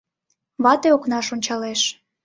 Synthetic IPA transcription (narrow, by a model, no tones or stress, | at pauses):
βɑt̪eoknɑʃonʲt͡ɕɑleʃ